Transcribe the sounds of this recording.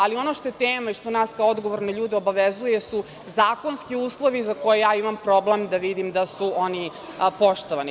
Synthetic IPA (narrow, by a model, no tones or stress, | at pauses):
alio̞noʃt̪ojet̪eːmaiʃt̪o̞naːskaoo̞d̪ɡo̞ʋoɾneʎuːd̪ɛo̞baʋezujesu | zaːko̞nskiuːslˠo̞ʋizako̞jejaːimampɾo̞blemd̪aʋid̪imd̪asuo̞ni | po̞ʃt̪o̞ʋani